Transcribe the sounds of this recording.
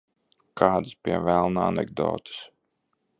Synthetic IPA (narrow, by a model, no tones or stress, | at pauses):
kʰaːd̪ɨspʲiɛvælˠnaanɛ̰ɡd̪ɔ̰ːt̪ɨ̥s